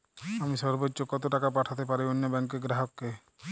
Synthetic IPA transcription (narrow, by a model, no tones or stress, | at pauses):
amiʃɔɾbotːʃokɔt̪oʈakap̬aʈʰat̪epaɾionːobɛŋkeɡɾaɦɔkːe